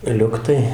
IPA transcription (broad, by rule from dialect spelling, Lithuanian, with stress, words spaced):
ˈlʲʊktɐɪ